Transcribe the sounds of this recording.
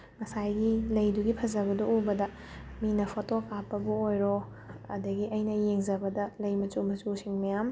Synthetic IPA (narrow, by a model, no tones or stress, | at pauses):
mɐsajɡilɐjduɡipʰɐzɐbɐduʔubɐdɐ | minɐpʰotokapːɐbuojɾo | ɐ̰dɐɡiʔɐjnɐjeŋzɐbɐdɐlɐjmɐt͡ʃumɐt͡ʃusiŋmɐjam